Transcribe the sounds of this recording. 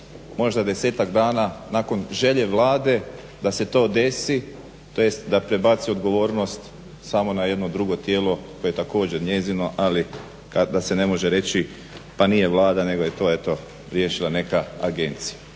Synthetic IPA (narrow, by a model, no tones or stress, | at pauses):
mo̞ʒd̪ad̪e̞se̞ːt̪aɡd̪aːnanaːko̞nʒe̞ʎe̞ʋlˠaːd̪e̞ | d̪ase̞t̪o̞ːd̪e̞si | t̪ojest̪d̪apɾe̞bat̪sio̞d̪ɡo̞ʋo̞ːɾno̞st̪ | samo̞naje̞d̪nod̪ɾuɡo̞t̪je̞ːlˠo̞kojeet̪ako̞ːd͡ʑe̞ɾɲe̞zino̞ʔali | kad̪ase̞ne̞mo̞ʒeɾe̞t͡ɕi | panije̞ʋlˠaːd̪ane̞ɡo̞je̞t̪o̞ːe̞t̪o̞ | ɾjeːʃilane̞kaaɡe̞nt̪sija